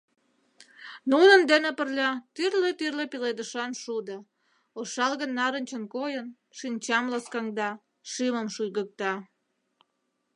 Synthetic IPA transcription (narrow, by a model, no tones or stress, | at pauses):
nunə̆nd̪enepərlʲɑt̪yrlet̪yrlepiled̪əʃɑnʃud̪ə | oʃɑlɣənːɑɾənʲt͡ɕə̆nkojən | ʃinʲt͡ɕɑmlɑskɑŋd̪ɑ | ʃɨməmʃujɣək̚t̪ɑ